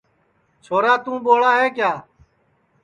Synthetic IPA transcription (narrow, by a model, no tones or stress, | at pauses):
t͡ʃʰoːɾaːt̪ũːɓoːɭaːɦeːkjaː